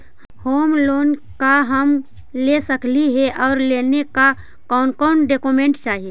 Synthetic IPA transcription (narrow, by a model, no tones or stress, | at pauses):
hoːmloːnkaɦəm | lesəkliɦɛʔɔːɾleːneka | kɔːnkɔʊnɖekomẽɳʈt͡ʃaːɦie